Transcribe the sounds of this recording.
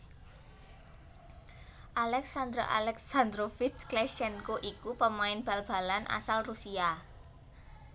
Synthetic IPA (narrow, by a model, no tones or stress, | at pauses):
ʔalɛksand̪ɾo̰ʔa̰lɛksand̪ɾofɪt͡ʃklɛʃɛnkoʔikupəmaɪnb̥ä̤lb̥a̤lanʔa̰salrusia